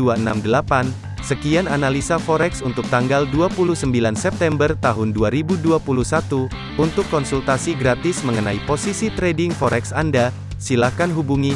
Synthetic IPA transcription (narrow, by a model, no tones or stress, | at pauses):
uaəna̰mdəlapan | səkiananalisafɔɾɛksunt̪ʊk̚t̪aŋɡalduapulusəmbilansɛp̚t̪ɛmbərt̪aɦʊnduaɾibuduapuluhsat̪u | unt̪ʊkːɔnsult̪asiɡɾat̪ɪsməŋənaiposisit̪ɾɛdɪŋfɔɾɛksanda | silakanɦubuŋi